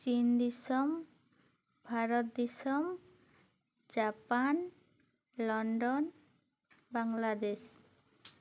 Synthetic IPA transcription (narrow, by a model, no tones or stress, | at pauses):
t͡ʃind̪isɔm | bʱaɾɔt̪̚d̪isɔm | d͡ʒapan | lɔɳɖɔn | baŋlad̪es